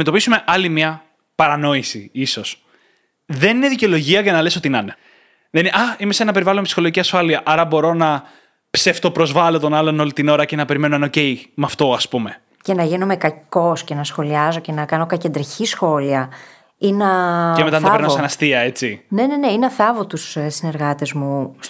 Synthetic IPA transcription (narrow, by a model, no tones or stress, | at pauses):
met̪o̞pisume̞ʔɐlimɐ | pɐɾɐno̞isḭiso̞s | ðe̞nineðiceo̞lo̞ʝiɐʝɐnɐle̞so̞t̪inɐne | ðeninʔɐimesenɐpeivɐlomepsixoloʝiciɐsfɐliɐʔɐɾɐbo̞ɾo̞nɐ | pseft̪o̞pɾo̞zvɐlo̞t̪o̞nɐlo̞no̞lit̪ino̞ɾɐce̞nɐpe̞ɾime̞noenocejmɐft̪o̞ɐspume̞ | ce̞nɐʝinomekɐko̞sce̞nɐsxo̞liɐzo̞ce̞nɐkɐno̞kɐced̪ɾiçisxo̞liɐ | inɐcemet̪ɐnpeɾnɐossɐnɐst̪iɐe̞t͡sine̞ne̞ne̞inɐθɐvot̪ussine̞ɾɣɐt̪ezmus